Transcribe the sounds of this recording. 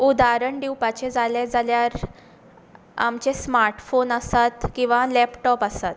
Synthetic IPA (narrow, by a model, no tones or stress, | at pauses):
ud̪aɾəɳɖiwpat͡ɕed͡zʱaled͡zaljaɾ | a̰mt͡ɕesmaɾʈfonəsat̪kĩw̃ʋalɛpʈɔpəsat̪